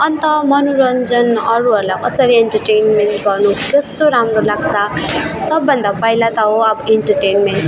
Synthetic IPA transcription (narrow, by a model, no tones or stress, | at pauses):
ʌnt̪ʌmʌnuɾʌnd͡zʌnʌɾuɦʌɾlajkʌsʌɾieɳʈʌrʈenmeɳʈɡʌrnukʌst̪oɾamrolaɡsasʌbːʌnd̪apʌjlat̪aɦoʌbʌeɳʈʌɾʈejnmenʈ